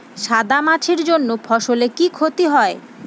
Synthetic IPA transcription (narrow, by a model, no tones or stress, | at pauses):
ʃad̪amat͡ɕʰeɾd͡ʑonːopʰɔʃolekikʰot̪iɦɔe